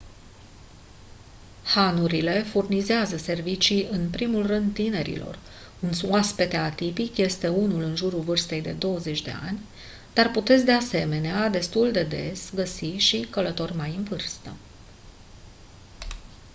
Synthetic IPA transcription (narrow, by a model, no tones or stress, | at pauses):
hanuɾile̞furnizeazəse̞rvit͡ʃiɨnpɾimulrɨnd̪̚t̪ine̞ɾḭlo̞̰r | unsuaspe̞t̪eat̪ipikje̞st̪e̞unulɨnʒuɾulvɨrst̪e̞jd̪e̞d̪o̞wəze̞t͡ʃʲd̪e̞̰a̰nʲ | d̪̥arput̪e̞t̪sʲd̪e̞ase̞me̞nead̪e̞st̪uld̪e̞d̪e̞̰sɡəsiʃikələt̪o̞rʲmajɨnvɨrst̪ə